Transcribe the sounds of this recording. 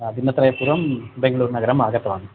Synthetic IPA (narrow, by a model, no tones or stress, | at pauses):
d̪inːɐt̪ɾɐjɐpuːɾʋɐmbeŋɡɐɭuːɾnɐɡɐɾɐmaːɡɐt̪ːɐʋaːɳu